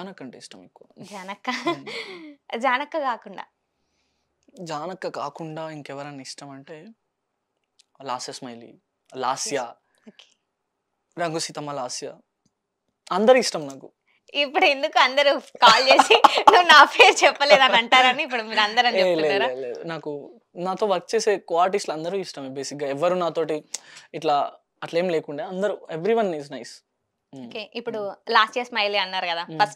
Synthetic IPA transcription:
d͡ʒaːnɐkːɐɳʈeːiʂʈɐmiːkud͡ʒaːnɐkːɐ | d͡ʒaːnɐkːɐkaːkuɳɖa̰ː | d͡ʒaːnɐkːɐkaːkuɳɖaːiŋkɛʋɐɾɐnːɐiʂʈɐmɐɳʈeː | laːsɐsmɐjlḭ | laːsjɐ | oːke̥ | ɾɐŋɡʱusit̪ɐmːɐlaːsjɐ | ɐnd̪ɐɾiiʂʈɐmnaːku | ipːuɽue̞nd̪ukuɐnd̪ɐɾukaːlt͡ʃeːsinuʋunaːpʰeːɾt͡ʃɛpːɐleːd̪ɐnɐɳʈaːɾɐniːp̬ːuɽumiːɾɐnd̪ɐɾɐnt͡ʃeepːt̪leaːɾaleːunaːku | naːt̪o̞ːʋɐɾk̚t͡ʃe̞ːse̞ːkaːɾʈ̬islɐnd̪ɐɾuisʈɐmebe̞ːsik̚ɡaːɛʋːɐɾunaːt̪o̞ːʈiiʈlaː | ɐʈleːmleːkuɳɖaːɐnd̪ɐɾueʋɾiʋɐniznɐjs | oːkeːʔipːuɽulaːsʈijɐɾsmɐjleːɐnːaːɾukɐd̪aːpʰɐsʈ̚

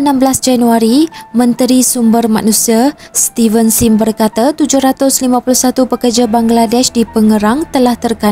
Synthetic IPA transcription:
ənãmblasd͡ʒanuaɾimə̃nt̪ɾisumbərmã̰nũsia | st̪ivənsimbərkat̪at̪ud͡ʒʊhɾat̪ʊslimãpuluhsat̪upəkərd͡ʒabaŋɡladɛʃdipəŋəɾaŋt̪əlaht̪ərka

